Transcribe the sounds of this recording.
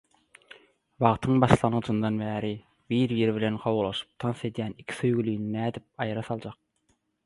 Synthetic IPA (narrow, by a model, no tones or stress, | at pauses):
βɑʁt̪ʰɯŋbɑʃlˠɑnʁɯd͡ʒɯnd̪ɑnbæːɾi | biːɾbiɾiβilenqʰɑwulˠɑʃɯ̥p̚t̪ʰɑnse̞d̪jæːnikʲʰi̥søjɡylyjninæːd̪ip̚ɑjɾɑsɑlˠd͡ʒɑq̚